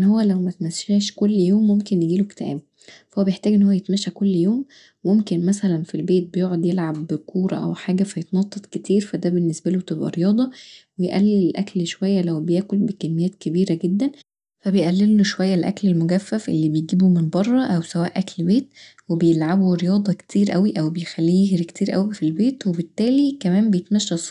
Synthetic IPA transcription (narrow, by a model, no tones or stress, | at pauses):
ʔnːhowːælæwmæt̪mæsæːʃkolːjoːmːomkenjeɡiːlokt̪ʕæ̰ːb̚ | fæhowːæbejeħt̪æːɡʔenːhowːæjet̪mæʃækolːjoːmː | omkenmæsælænfilbeːt̪̚bejoːʕod̪jelʕabːkʰuːɾˤɑ̰ʔæ̰wħaːɡæfæjet̪nɑt̪ˤːet̪ket̪ʰiːɾfæd̪æbenːesbælot̪ebʔæ̰ɾejɑːd̪ˤɑwejeʔælːellʔæklʃowæjːælæwbejæːkolbekæmːejæːt̪̚kebiːɾæɡed̪ːæn | fæbejʔælːelːoʃowæjːælʔæ̰klelmoɡæfːæfʔḛlːiːbejɡiːbumenbɑrˤːɑʔæwsæwæːʔæklbeːt̪̚ | webejelʕabuɾejɑːd̪ˤɑkt̪ʰiːɾʔæwiʔæwbejexælːiːeɦɾekt̪iːɾʔæ̰wifilbeːt̪webet̪ːæːlikæmæːmbejet̪mæʃːæsˤ